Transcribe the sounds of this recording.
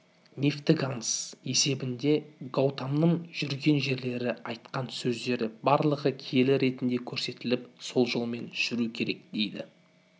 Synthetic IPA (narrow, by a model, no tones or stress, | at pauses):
nʲeft̪ɪɡanse̞se̞bɪnd̪e̞ɡowt̪amnəɴʒ̥ʏɾɡʲe̞nʒe̞ɾle̞ɾɪɑjt̪̚qɑnsɵzd̪e̞ɾɪbɑɾlˠəʁəkʲʰije̞lɪɾe̞t̪ɪnd̪e̞kʲʰɵɾse̞t̪ɪlɪpso̞lˠʒəlˠme̞nt̪ʰʏ̥ʒ̥ʏɾukʲʰe̞ɾe̞k̚d̪̥e̞jd̪ɪ̰